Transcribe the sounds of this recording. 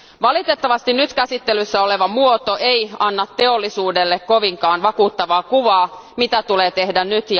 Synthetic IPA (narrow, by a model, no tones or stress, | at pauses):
ʋɑlit̪et̪ːɑʋɑst̪innyt̪kæsit̪ːelysːæoleʋɑmuot̪oʔeiɑnːɑt̪ːe̞olːisuːdelːekkoʋiŋkɑːnʋɑkuːt̪ːɑʋɑːkuʋɑːmit̪æt̪uleːt̪ehdænnyt̪j